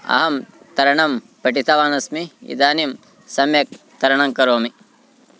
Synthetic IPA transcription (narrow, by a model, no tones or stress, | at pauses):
ɐ̰ɦɐm | t̪ɐɾɐɳɐm | pɐʈit̪ʰɐʋaːnɐsmiḭd̪aːnim | sɐmjɐk̚ | t̪ɐɾɐɳɐŋkɐɾoːmi